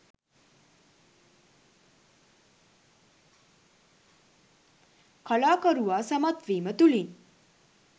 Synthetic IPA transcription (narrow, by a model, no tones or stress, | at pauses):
kʰəlakəɾuʋasəmat̪ʋiːmət̪ulin